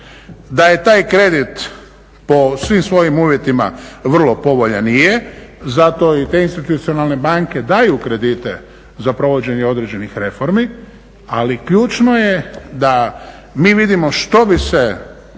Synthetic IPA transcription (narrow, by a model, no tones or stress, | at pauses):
d̪aje̞t̪aːjkɾe̞d̪it̪ | posʋimsʋo̞jimuːʋje̞t̪ima̰ʋr̩lˠo̞po̞ʋoʎanijezat̪o̞it̪e̞inst̪it̪ut̪sio̞nalˠne̞baŋke̞d̪ajukɾe̞d̪it̪e̞ | zapɾo̞ʋo̞d͡ʑe̞ɲeo̞d̪ɾed͡ʑe̞nixɾe̞fo̞ɾmi | alikʎuːt͡ʃno̞jed̪a | miːʋid̪imo̞ʃt̪o̞bise